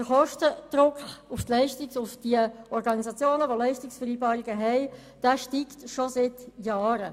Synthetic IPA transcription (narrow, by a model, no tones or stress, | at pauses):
d̥əχɔʃtəd̥ɾʊkχuftlɛɪʃtɪksʊfd̥iəɔɾɡɑnizɑt͡sjoːnəʋolɛɪʃtɪksfəɾiːbɑːɾiɡəɦɛɪ | d̥ɛːʃtiːktʃosɪtjɑːɾə